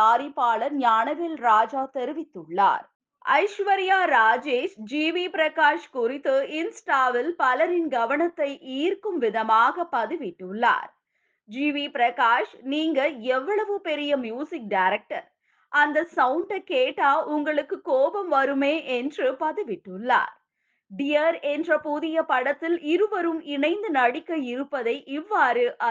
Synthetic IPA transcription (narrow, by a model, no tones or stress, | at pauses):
aːɾɪpːaːɭɐɾɲaːnɐʋɪlɾaːd͡ʒaːt̪ɛɾɯʋɪt̪ːɯɭːa̰ːɾ | ɐ̰ɪʂʋɐɾɪjaːɾaːd͡ʒeːʃd͡ʒiːʋipɪɾɐkaːʂkʊrɪt̪ːɯɪnsʈaːʋɪlpɐlɐɾɪnɡɐʋɐɳɐt̪ːɐɪʔiːrkɯmʋɪðɐmaːɣɐpːɐðɪʋɪʈːɯɭːa̰ːɾ | d͡ʒiːʋipɪɾɐkaːʂniːŋɡɐɛʋːɐɭɐʋɯpɛɾɪjɐmjuːsɪk̚ɖaːɾɛk̚ʈɐɾ | ʔɐnd̪ɐsɐʊɳɖɐkeːʈːaːʔʊŋɡɐɭɯkːɯkːoːbɐmʋɐɾɯmeːʔɛndrɯpɐðɯʋɪʈːɯɭːa̰ːɾ | ɖɪjɐɾɛndrɐpuðɪjɐpɐɽɐt̪ːɪlɪɾɯʋɐɾɯmɪɳɐɪnd̪ɯnɐɽɪkːɐjɪɾɯpːɐðɐɪʔɪʋːaːɾɯʔɐ